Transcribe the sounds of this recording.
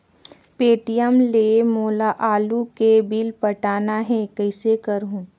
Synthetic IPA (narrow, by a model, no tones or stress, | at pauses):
peːʈijəmleːmoːlaʔaːlukebilpəʈaːnaɦɛ̃kɐɪsekɐəɾɦũː